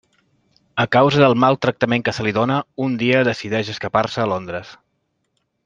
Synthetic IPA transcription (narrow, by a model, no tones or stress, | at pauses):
əkawzəðəlˠmalˠt̪ɾək̚t̪əmeŋkəsəliðonəund̪iəðəsiðɛʃəskəparsəːlond̪ɾəs